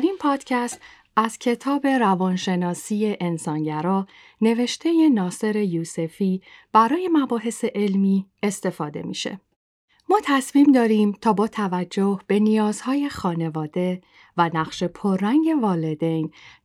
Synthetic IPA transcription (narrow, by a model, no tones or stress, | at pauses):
ɾinpʰɒːd̪̥cʰæst̪ | æz̥cʰe̞t̪ʰɒːbe̞ɾævɒːnʃe̞nɒːsiːje̞ʔensɒːnɟæɾɒː | ne̞ve̞ʃt̪ʰe̞jenɒːse̞ɾe̞juːse̞fiːb̥æɾɒːje̞mæbɒːɦe̞se̞ʔelmiːe̞st̪e̞fɒːd̪e̞̰mḭːʃe̞̰ | mɒːt̪ʰæsmiːmd̪ɒːɾiːmt̪ʰɒːbɒːt̪ʰævæd͡ʒːohb̥e̞nijɒːz̥hɒːje̞xɒːne̞vɒːd̪e̞ | vænæʁʃe̞pʰoɾːæŋɟe̞vɒːle̞d̪e̞jn